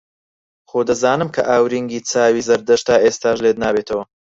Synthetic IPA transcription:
xod̪ɐzaːnɨmkʰɐ̰ʔaːwɾiŋɡiːt͡saːwiːzɐɾd̪ɐʃt̪aːʔeːst̪aːʒleːd̪naːbet̪ʰɐwɐ

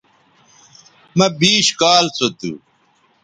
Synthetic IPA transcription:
mɐbiːɕkaːlt͡sot̪ṵ

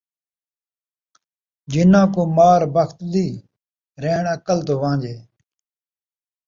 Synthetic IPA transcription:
d͡ʒɪnãːkoːmaːɾbəxt̪d̪iː | ɾeːɳəkəlt̪oːʋãːd͡ʒeː

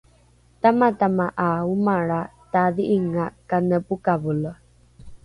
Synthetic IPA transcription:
tamatamaʔaumaɭataðiʔiŋakanəpukavulo

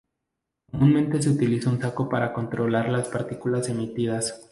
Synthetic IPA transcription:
kkkomũnmẽnt̪e̞s̬e̞ut̪ilisaunsako̞paɾako̞nt̪ɾo̞laɾlaspaɾt̪ikulase̞mit̪iðas

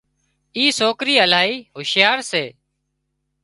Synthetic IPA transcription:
iːsoːkɾiːəlaːɦiːɦʊʃɪjaːɾseː

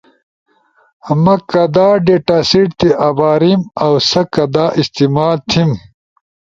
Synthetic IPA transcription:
ɐmɐkɐd̪aːɖeːʈaːsiʈt̪iʔɐbaːɾimɐwsɐkɐd̪aːʔist̪imaːlt̪ʰim

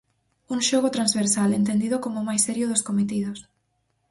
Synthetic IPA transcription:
uŋʃoɣot̪ɾanzβeɾsalent̪end̪iðokomomajsɛɾjʊðoskomet̪iðʊs

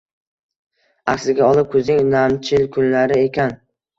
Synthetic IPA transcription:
aksɪɡʲaɒlˠɪp̚kʰɵznɪŋnamt͡ʃʰɪlkʰʊnlaɾɪe̞kʲan

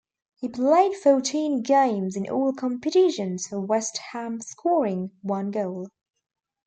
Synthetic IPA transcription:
hipl̥eɪd̥foʊtʰĩːnɡẽɪ̃mzɪ̃nʔɔ̰ːlˠkʰɒ̃mpɨtɪʃə̃nz̥fəwɛst̚hæ̃mskʰɔɹɪ̃ŋwʌ̃nɡoʊlˠ

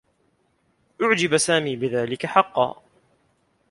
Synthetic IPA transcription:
ʔʊʕd͡ʒɪbasaːmiːbɪðaːlɪkaħɑqːɑ̰ː

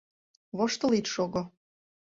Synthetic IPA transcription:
βoʃt̪ɤ̆lit̪ʃoɣŏ

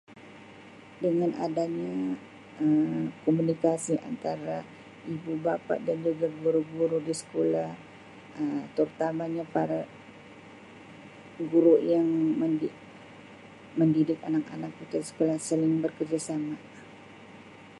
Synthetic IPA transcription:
dəŋanʔa̰daɲa | əkɔmunikasia̰nt̪aɾa | ibubapa̰ʔdand͡ʒuɡaɡuɾʊɡuɾudisə̥kolah | əmt̪əɾut̪amaɲapaɾa | ɡuɾʊʔjaŋməni | məndidɪkanak̚a̰nak̚put̪asə̥kolahsəlɪŋbərkərd͡ʒasama

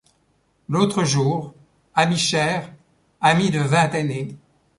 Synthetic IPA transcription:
lot̪χəʒuːʁ | amiʃɛːʁ | amid̪əvɛ̃t̪ane

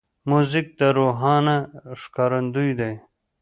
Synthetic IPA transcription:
muzik̚d̪ɐɾuːɦaːnaʂkaɾɐnd̪ujd̪ej

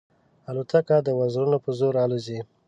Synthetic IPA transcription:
alut̪akad̪əwazɾunopəzoɾɑluzi

